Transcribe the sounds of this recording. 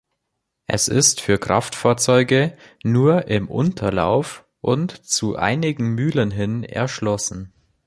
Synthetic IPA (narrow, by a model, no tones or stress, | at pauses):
ʔɛ̰sɪstfyːɐkʁ̥aftfaːɐt͡sɔʏɡə | nuːɐʔɪmʔʊ̰ntʰɐla̰ʊf | ʔʊntt͡suʔa̰ɪnɪɡŋ̩myːlənɦɪnɛ̰ɐʃlɔsn̩